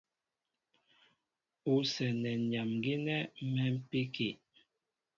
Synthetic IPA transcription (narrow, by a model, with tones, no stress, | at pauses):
u˨˦sɛ˨nɛ˨ɲa˨mɡi˦nɛ˦mɛ˦m̩˦pi˦ke˨